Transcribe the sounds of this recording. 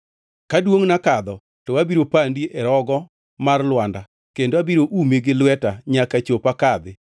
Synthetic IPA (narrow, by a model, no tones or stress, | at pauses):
kadwoŋnakad̪ɔ | tɔwabiɾopandiʔɛɾɔɡɔ | marlwanda | kendoabiɾoʔumeɡɪlwɛtaɲakat͡ʃopakad̪ɪ